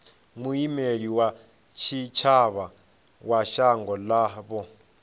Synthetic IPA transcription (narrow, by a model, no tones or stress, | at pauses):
muimeɺiwa | t͡ʃʰit͡ʃʰaβa | waʃaŋɡɔlaβɔ